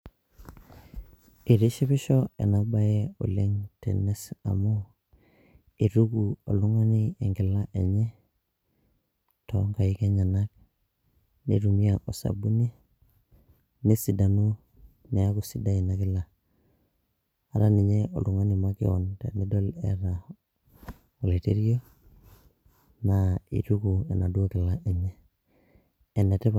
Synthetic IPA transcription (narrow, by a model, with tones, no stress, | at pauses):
i˨ɾi˦ʃi˦pi˦ʃo˦ḛ˨na˦ba˦je˦o̰˨le˦ŋtḛ˨ne˦sa̰˨mo˦ | i˨ɾu˦ɡu˨o̰˨lu˦ŋa˦ni˦e˨ŋɡi˨la˦ʔḛ˨ɲe˦ | to̰˨ŋɡa˨i˦ke˦ɲa˨na˦k̚ | nḛ˨ɾu˨mi˦a˨o˨sa̰˨bu˦ni˦ | ne˦si˨da˨nu˦ | ne˨a˦ku˨si˦da˦i˨na˦kɪ˦la˨ | a˨ɾa˦ni˨ɲe˦o̰˨lu˨ŋa˦ni˨ma˦kḭ˦ɔ̰˨ntḛ˨ni˦do˦lɛ̰˦ɾa˨ | o˨le˨te˦ɾi˦o˦ | na˨ḭ˨tu˦ku˨ḛ˨na˨du˦o˦ki˨la˦ʔe˨ɲɛ˦ | ɛ˨ne˨tɛ˦p